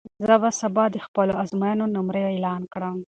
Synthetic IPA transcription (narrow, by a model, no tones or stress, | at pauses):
zəbasabɑd̪əxpəloazmajanonʊmɾəjoelɑnkɽəm